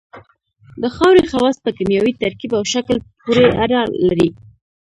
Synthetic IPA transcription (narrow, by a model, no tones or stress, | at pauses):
d̪əxɑwɾexawɑs̚pəkamjɑwit̪aɾkibawʃaklpuɾeadɑlaɾi